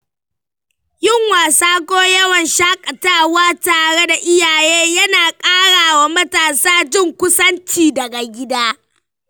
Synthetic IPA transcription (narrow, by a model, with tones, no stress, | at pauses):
jɪ˦˨ŋwaː˨saː˦kʷoː˦jɐ˦wɐ˨nʃaː˦kʼɐ˨taː˦waː˦taː˨ɽe˦da˨ʔɪ˦jaː˨jeː˦jɐ˦naː˨kʼaː˦ɽaː˨wa˨mɐ˦taː˨saː˦d͡ʒɪ˦˨ŋkʷʊ˦sɐ˦nt͡ʃiː˨dɐ˨ɡa˨ɡʲɪ˦daː˦